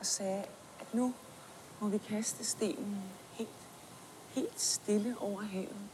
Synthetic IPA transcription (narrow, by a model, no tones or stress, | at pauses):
ʔɒ̽sɛː | ʔæd̥nu | mɒ̽ʋikʰæsd̥əsd̥e̝̰ːnn̩ | he̝̰ːld̥ | he̝̰ːld̥sd̥e̝ləʔɒʊ̰ɐɦɛ̰ːʊð̩ˠ